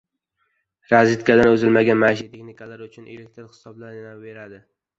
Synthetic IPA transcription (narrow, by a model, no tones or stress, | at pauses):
ɾazɪt̪kʰʲad̪anɵzɪlmaɡʲanmaʃ̬at̪ʰexnɪikʰalaɾʊt͡ʃʰʊnʔelek̚ʲt̪ʰɪɾhɪ̥sɒblaɾɪnawve̞ɾad̪ɪ